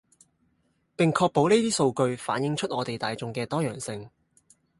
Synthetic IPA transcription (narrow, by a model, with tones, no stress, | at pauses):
pɪ˨ŋkʰɔː˧k̚po˨˥wneː˥t̪iː˥so˧wkɵ˧ɥfa̰ː˨˥njɪ˨˧ŋt͡ʃʰɵ˥t̚ʔɔː˨˧t̪e˨jt̪aː˨jt͡sʊ˨˧ŋkɛː˧t̪ɔː˥jœ̰ː˨˩ŋsɪ˧ŋ